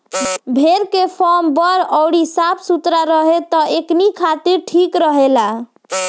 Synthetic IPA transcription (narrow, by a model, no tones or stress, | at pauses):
bʱeɾkepʰɔɾmbəɾɔwɽisapʰsut̪ɾaɾəɦet̪ɔeknikʰat̪iɾʈʰikɾəɦela